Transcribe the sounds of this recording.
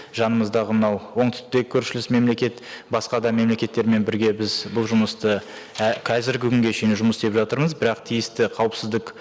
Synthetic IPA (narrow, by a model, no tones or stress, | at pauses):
ʒɑnəməzd̪ɑʁəmənɑwwo̞ɴt̪ʏ̥st̪ekʲʰːɵɾʃɪlɪsme̞mle̞kʲe̞t̪bɑsqɑd̪ɑme̞mle̞kʲe̞t̪ːe̞ɾme̞nbɪɾɡʲe̞bɪzbʊlˠʒʊməst̪əkʲʰæzɪɾɡʲɪkʲʰʏŋɡʲe̞ʃenʒʊməsd̪e̞pʒɑt̪əɾməzbɪɾɑqt̪ʰijɪst̪ɪqʰɑwəpsɪzd̪ɪk